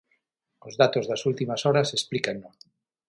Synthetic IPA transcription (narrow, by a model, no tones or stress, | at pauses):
ozðat̪ozðɐsult̪imasɔɾasesplikanːo